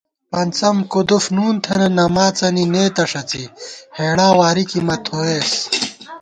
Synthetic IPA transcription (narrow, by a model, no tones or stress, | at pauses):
pɐnt͡sɐmkud̪ufnuːnt̪ʰɐnɐnɐmaːt͡sɐnineːt̪ɐʂɐt͡siheːɽaːwaːɾikimɐt̪ʰoːeːs